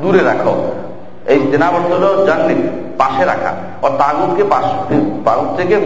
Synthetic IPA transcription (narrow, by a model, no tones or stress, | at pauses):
d̪uɾeɾakʰo̰ | ejd͡ʑenabɔɾt̪olod͡ʑanːipaʃeɾa̰kʰa̰ | ɔt̪aɡut̪kepaʃipaɡut̪eke